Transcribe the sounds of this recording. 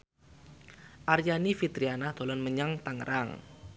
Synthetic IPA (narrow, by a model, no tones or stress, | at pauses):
ʔaɾjanifit̪ɾianahd̪̥o̤lɔnməɲaŋt̪aŋəɾʔaŋ